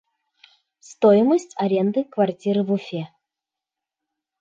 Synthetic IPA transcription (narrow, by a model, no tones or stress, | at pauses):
st̪ojɪməsʲtʲɐɾʲend̪ɨkvɐrtʲiɾɨvʊfʲe